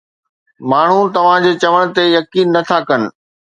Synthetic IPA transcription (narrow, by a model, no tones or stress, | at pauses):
maːɳ̤ũt̪ɐʋ̤ãd͡ʑeːt͡ɕɐʋəɽ̃t̪ejɐkiːnːɐt̪ʰakɐnɪ̆